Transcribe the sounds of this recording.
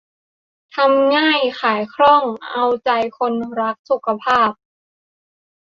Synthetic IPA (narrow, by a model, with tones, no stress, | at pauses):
t̪ʰa˧mŋaː˥˩jxʰaː˩˦jkʰɾɔ˥˩ŋʔa˧wt͡ɕa˧jkʰo˧nɾa˦˥k̚su˨˩˦kʰa˧pʰaː˥˩p̚